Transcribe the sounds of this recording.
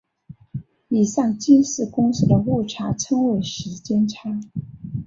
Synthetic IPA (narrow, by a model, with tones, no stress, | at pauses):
i˨˩sɑ˥˩ŋt͡ɕi˥nsɹ̩˥˩kʊ˥ŋsɹ̩˥˩d̪ə˨wu˥˩ʈ͡ʂʰa˧˥ʈ͡ʂʰɤ˥ŋwe˧˥ɪʂɻ̩˧˥t͡ɕjɛ˥nʈ͡ʂʰa˥